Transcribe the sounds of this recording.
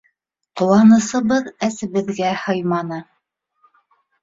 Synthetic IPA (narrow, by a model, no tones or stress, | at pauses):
qŏwɑnɤ̆sɤ̆βɤðæsɘ̆βɘ̆ðɡæhɤjmɑnɤ